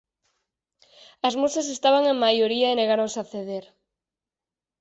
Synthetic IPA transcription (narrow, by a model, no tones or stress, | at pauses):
ɐzmosas̬est̪aβaŋeŋmajoɾiaeneɣaɾoŋsaθeðeɾ